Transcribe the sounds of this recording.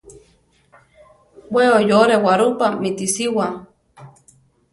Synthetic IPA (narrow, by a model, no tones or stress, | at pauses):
weojoɾewaɾupamit̪isiwa